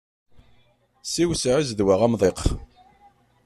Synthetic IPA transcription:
siwsʕizðwaʁæmðˤeq

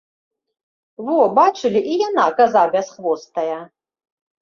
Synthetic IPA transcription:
vɔbat͡ʂɨlʲiʔijanakazabʲɛsχvɔst̪ɐjɐ

